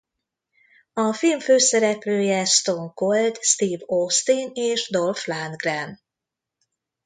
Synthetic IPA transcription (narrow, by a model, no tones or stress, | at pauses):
ɒfilɱføːsɛɾɛpløːjɛst̪oŋkold̪st̪iːvost̪ineːʃd̪olflanɡrɛn